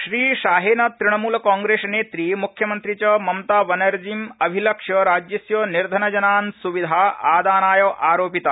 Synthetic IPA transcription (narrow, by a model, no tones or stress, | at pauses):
ʃɾiːʃaːɦeːnɐt̪ɾiɳ̃ɐmuːlɐkãːŋɡɾeːsneːt̪ɾimukʰjɐmɐnt̪ɾit͡ʃɐmɐmt̪aːʋɐnɐɾd͡ʒimɐbʱilɐkʂɐɾaːd͡ʒjɐsjoːniɾd̪ʱɐnɐd͡ʒɐnaːnsuʋid̪ʱaːʔaːd̪aːnaːjoʔaːɾoːpit̪a